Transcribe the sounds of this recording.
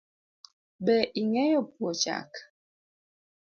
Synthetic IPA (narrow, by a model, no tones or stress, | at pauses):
bɛʔiŋɛjɔpwɔt͡ʃa̰k